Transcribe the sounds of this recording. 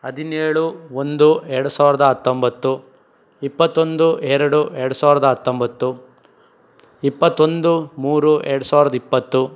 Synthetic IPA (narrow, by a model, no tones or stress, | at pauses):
ɐd̪ʱineːɭuond̪uɛɾɐɽusaːʋiɾɐd̪ɐɦɐt̪ːombɐt̪ːu | ipːɐt̪ːo̞nd̪uɛɾɐɽuɛɾɐɽusaːʋiɾɐd̪ɐɦɐt̪ːombɐt̪ːu | ipːɐt̪ːo̞nd̪umuːɾuɛɾɐɽusaːʋiɾɐd̪ɐipːɐt̪ːu